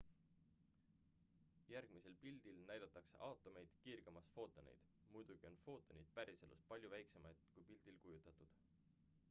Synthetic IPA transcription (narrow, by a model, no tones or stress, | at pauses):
jærɡ̥mise̞lpild̪̥ilnæjd̪̥ɑt̪ːˑɑkse̞̰ʔɑwt̪ːˑo̞me̞jd̪̥kiːrɡ̥emɑsfo̞ːt̪ːˑo̞nḛjd̪̥ | mujd̪̥uɡ̥io̞nfo̞ːt̪ˑːo̞nejd̪̥̚pæɾise̞lṵs̚pɑlʲjuvæjkse̞mɑjd̪̥kujpild̪̥ilkujut̪ːˑɑt̪ˑud̪̥